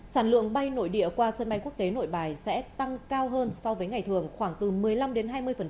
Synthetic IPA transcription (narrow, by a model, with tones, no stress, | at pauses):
saː˧˩nlɨ̰˧˨əŋɓa˧jno̰˧˨jɗḭ˧˨əkwaː˧sə˧nɓa˧jku˦˥ək̚t̪e˨˦no̰˧˨jɓaː˨˩jsɛ̰˧˥t̪a˧ŋkaː˧wɦəː˧nsɔ˧wvəː˨˦jŋa˨˩jt̪ʰɨ˨˩əŋxwaː˧˩ŋt̪ɨ˨˩mɨ˨˩əjla˧mɗe˨˦nɦaː˧jmɨ˧əjfə˨˩n˦